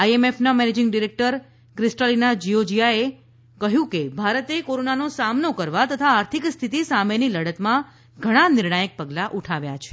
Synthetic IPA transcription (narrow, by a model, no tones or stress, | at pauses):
ajemefnamɛned͡ʒɪŋɡɖiɾek̚ʈəɾ | kɾɪsʈəlinad͡ʒiod͡ʒijae | kəɦjũkebʱaɾət̪ekoɾonanosamnokəɾʋat̪ət̪ʰaːɾt̪ʰikst̪ʰit̪isameniləɽət̪mã | ɡʱəɽ̃anɪɾɳajək̚pəɡlaʔuʈʰaʋja̰t͡ʃʰe̥